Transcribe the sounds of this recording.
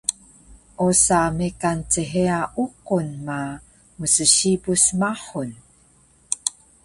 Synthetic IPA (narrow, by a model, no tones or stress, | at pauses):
ʔosamekant͡səɦeaʔuqunma | musəɕibusmaħun